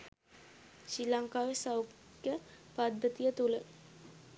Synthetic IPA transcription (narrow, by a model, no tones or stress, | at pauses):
ɕilaŋkaːʋesaw | kjəpad̪ːət̪ijət̪ulə